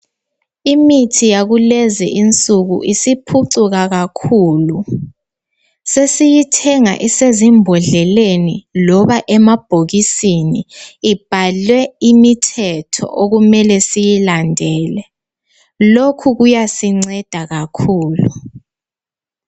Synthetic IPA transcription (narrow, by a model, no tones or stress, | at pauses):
imitʰijaɣulɛzɛ̰ʔint͡sʼuɣṵʔisipʰuǀuɣaɣakʰuːlu | sesijitʰɛŋa̰ʔisezimbʱɔɮɛlenilɔβaʔɛmab̥ʱoɣisiniːb̥ʱalwɛimitʰɛtʰɔ̰ʔoɣumɛlɛsijilandʱɛːlɛ | lokʰuɣujasiŋ͡ǀɛd̥ʱaɣakʰuːlu